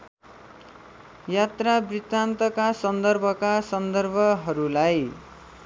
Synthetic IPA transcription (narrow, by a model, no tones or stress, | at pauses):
jat̪rabrit̪ant̪ʌkasʌnd̪ʌrbʱʌkasʌnd̪ʌrbʱʌɦʌɾulaj